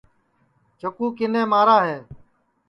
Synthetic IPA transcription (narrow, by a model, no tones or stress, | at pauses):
t͡ʃokuːkɪnẽːmaːɾaːɦeː